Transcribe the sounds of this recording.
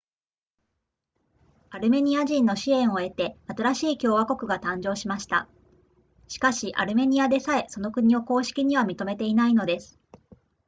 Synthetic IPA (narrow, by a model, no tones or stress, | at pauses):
aɾɯ̟me̞ɲ̟iaʑĩnːo̞ɕiẽ̞ɰ̃o̞e̞t̪e̞at̪aɾaɕiːkʲo̞ːβako̞kɯ̟ɡat̪ãɲ̟d͡ʑo̞ːɕimaɕi̥t̪a̰ | ɕi̥kaɕiʔa̰ɾɯ̟me̞ɲ̟iad̪e̞sae̞so̞no̞kɯ̟ɲ̟io̞ko̞ːɕi̥kʲiɲ̟iβamʲit̪o̞me̞t̪e̞inaino̞d̪e̞sɨ̥